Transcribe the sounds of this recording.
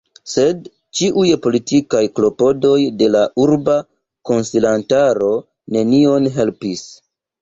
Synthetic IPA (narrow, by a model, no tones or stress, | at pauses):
se̞d | t͡ʃiʔujpo̞litikajklo̞po̞do̞jde̞lauɾba | ko̞nsilantaɾo̞ | ne̞nio̞nɦe̞lpis